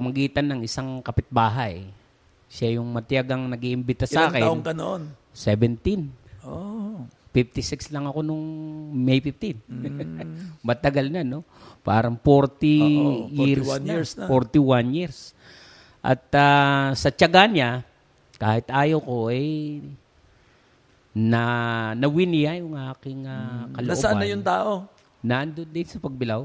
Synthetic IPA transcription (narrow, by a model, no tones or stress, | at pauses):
mɐɡiːt̪ɐnːɐŋɪsaŋkɐpɪt̪̚baːɦaj | ʃajʊŋmɐt̪jaɡɐŋnɐɡiʔɪmbɪt̪ːasaːkɪnʔʊŋkɐno̰ʔon | sɛbɛnt̪ino | fɪf̚t̪ɪsɪkslɐŋɐko̞nʊŋmɛjpɪf̚t̪ɪn | mɐt̪ɐɡalnano̞paːɾɐŋfoɾt̪ɪjɪɾsfoɾt̪ɪwanjɪɾs | ʔɐ̰t̪asɐt͡ʃɐɡanɲa | kaːhɪt̪ʔaːjɐwko̞ʔɛj | nɐnɐwɪnɪjajʊŋʔaːkɪŋakɐlʔʔobanɐjʊnt̪aːʔo | naʔɐnd̪ond̪ɪnsɐpɐɡ̚bɪlaw